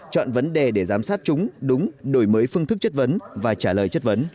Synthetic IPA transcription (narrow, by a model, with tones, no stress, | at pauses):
t͡ɕɔ̰˧˨nvə˨˦nɗe˨˩ɗe˧˩zaː˨˦msaː˦˥t̚t͡ɕʊ˨˦ŋ͡mɗʊ˨˦ŋ͡mɗo˧˩jməː˨˦jfɨ˧əŋt̪ɨ˦˥k̚t͡ɕə˦˥t̚və˨˦nvaː˨˩t͡ɕaː˧˩ləː˨˩jt͡ɕə˦˥t̚və˨˦n